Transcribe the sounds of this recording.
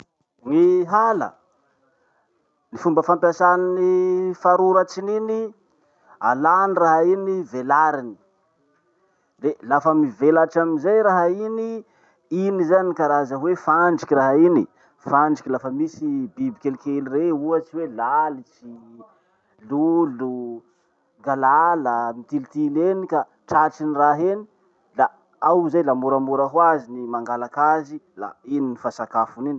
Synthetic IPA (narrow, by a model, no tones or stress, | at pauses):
ŋiɦalə̰ | nifumbəfampasaninifaɾuɾat͡ʃinini | a̰laniraɦainivelaɾini̥ | relafəmivelaʈ͡ʂaminzajɾaɦaini | inizaniikaɾazəwefaɳɖ͡ʐikʲiraɦaini | faɳɖ͡ʐikʲilafəmisibibikʲelikelireuət͡siwelalit͡si | lulu | ŋɡalaləmit̪ilit̪ilenika | ʈ͡ʂaʈ͡ʂiniraɦeni | la | awzajlamuɾamuɾaɦwazinimaŋɡalakazila̰ininifasakafunin